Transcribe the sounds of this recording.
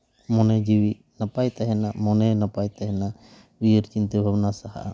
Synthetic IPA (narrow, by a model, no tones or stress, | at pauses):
mɔnɛd͡ʒiwi | napajt̪aɦɛnamɔnɛnapajt̪aɦɛna | wijəɾt͡ʃint̪əbʱabnasaɦa̰ʔa